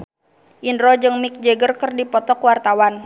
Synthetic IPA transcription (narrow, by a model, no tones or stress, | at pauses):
ʔinɾɔd͡ʒɨŋmik̚d͡ʒɛɡərkɨrdipɔt̪ɔkwart̪awan